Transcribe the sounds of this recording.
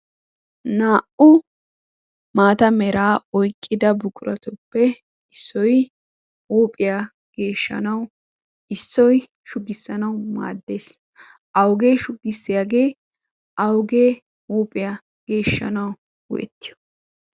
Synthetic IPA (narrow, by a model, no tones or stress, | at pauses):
naːʔʊ | maːt̪ɐmɛɾaːɔjkʼːɪd̪ɐbʊkʼʊɾʔɐt̪ʊpːɛ | ɪsːɔj | uːpʼɪja | ɡ̥e̞ːʃːɐ̰nɐw | ɪsːɔj | ʃʊɡɪsːɐnɐwma̰ːd̪ːeːs | ʔɐwɡe̞ːʃʊɡɪsːɪjaːɡe̞ː | ʔɐwɡeː | uːpʼɪja | ɡ̥e̞ːʃːɐ̰nɐw | wʊ̰ʔɛ̰t̪ːɪjɔ̥